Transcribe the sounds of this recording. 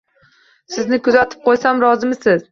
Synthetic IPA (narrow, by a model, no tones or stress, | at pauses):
sɪznɪkʰʊzat̪ʰɪ̥p̚qʰojsamɾɒzɪmɪsɪz